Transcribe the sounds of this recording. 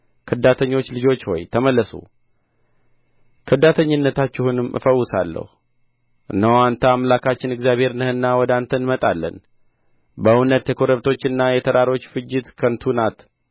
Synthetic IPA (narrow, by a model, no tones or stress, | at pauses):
kʰɨd̪at̪ʰəɲːo̞t͡ʃːlɨd͡ʒo̞t͡ʃːhɔ̰jt̪ʰəməlːəsṵ | kʰɨd̪at̪ʰəɲːɪnːət̪ʰat͡ʃːɪhunɨmʔɨ̰fəwːʊsalːə̰hu | nəwant̪ʰəamlakʰat͡ʃːɪnɨɡzjaβhe̞ɾɨnəhɨnːawɔd̪ant̪ʰənmət̪ʼalːə̰n | bəunət̪ːjɛkʰoɾəβt̪ʰo̞t͡ʃːɨnːajɛt̪ʰəɾaɾo̞t͡ʃːfɨd͡ʒːɪt̪kʰənt̪ʰunat̪